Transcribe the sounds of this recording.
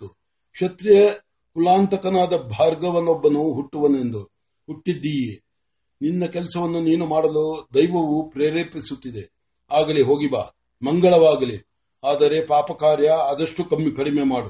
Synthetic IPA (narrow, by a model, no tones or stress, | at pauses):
u | kʂɐt̪ɾijɐ | kulaːnt̪ɐkɐnaːd̪ɐbʱaːɾɡɐʋɐnːɔbːɐnuɦuʈːuʋɐne̞nd̪u | huʈːid̪ːiji | ninːɐkɛlɐsɐʋɐnːuniːnumaːɽɐlod̪ɐjʋɐʋupɾeːɾeːpisut̪ːid̪e̞ | aːɡɐliɦo̞ːɡiba̰ː | mɐŋɡɐɭɐʋaːɡɐli | aːd̪ɐɾe̞paːpɐkaːɾjɐːd̪ɐʂʈukɐmːikɐɽimemaːɽu